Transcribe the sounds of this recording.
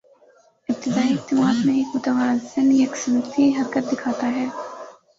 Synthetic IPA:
ɪp̚t̪ɪd̪aːiɪq̚t̪ɪmaːd̪mẽeːkmʊt̪əʋaːzɪnjɐksɐnt̪iɦɐɾkət̪̚d̪ɪkʰaːt̪aɦɛː

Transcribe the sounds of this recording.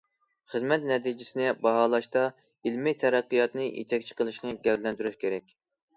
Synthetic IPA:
χəzmɛt̪nɛt̪id͡ʒɪsɪnɪbɑɦɑlˠɑʃt̪ɑ | ilmɪt̪ʰɛɾæqːijɑt̪nɨʔḛt̪ʰɛkʲt͡ʃʰə̥qʰəlˠɨʃnɨɡʲɛɾlːɛnt̪yɾyʃkʲʰeɾɛkʲ

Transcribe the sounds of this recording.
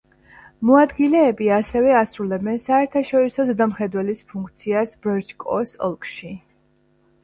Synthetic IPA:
mɔad̪ɡilɛːbiasɛvɛasɾulɛbɛnsaɛɾt̪ʰaʃɔɾisɔzɛd̪amχɛd̪wɛlispʰuŋkʰt̪sʰiasb̥ɾɛɾd͡ʒkʼɔ̰sɔ̰lˠkʼʃi

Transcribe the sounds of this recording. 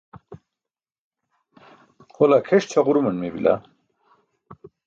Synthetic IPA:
holakʰeʂt͡ɕʰaʁuɾumɐnmebḭla̰

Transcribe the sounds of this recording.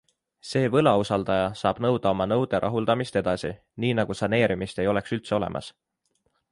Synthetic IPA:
se̞ːvɤlɑusɑld̪ɑjɑsɑːb̥nɤwd̪̥ɑo̞mɑnɤwd̪̥eɾʔɑ̰ɦuld̪̥ɑmist̪e̞d̪̥ɑsi | niːnɑɡ̥usɑne̞ːɾimist̪e̞jo̞le̞ksylt̪se̞o̞le̞̰mʔɑ̰s

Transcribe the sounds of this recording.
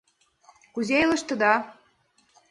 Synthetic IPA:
kuzelə̆ʃt̪ə̆d̪ɑ

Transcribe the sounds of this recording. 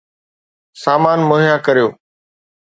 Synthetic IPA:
saːmaːnmoːɦjakəɾijoː

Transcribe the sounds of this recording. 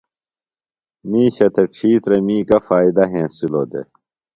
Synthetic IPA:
miːɕɐt̪ʰeʈ͡ʂʰiːt̪ɾemĩːkɐfaːid̪ɐɦẽːsuloːd̪ḛ

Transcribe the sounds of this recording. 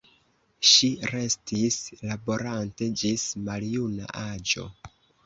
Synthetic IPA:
ʃiɾe̞stislabo̞ɾante̞d͡ʒismaljuna̰ʔad͡ʒo̞̰

